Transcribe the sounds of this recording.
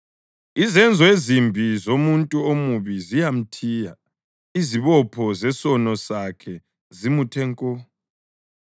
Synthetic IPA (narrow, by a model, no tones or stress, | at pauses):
izɛnd͡zʱɔezimbʱizomuntʼuomuβizijam̩tʰiːja | iziβɔpʰɔzɛsɔnɔsakʰɛ | zimutʰɛŋkʼɔ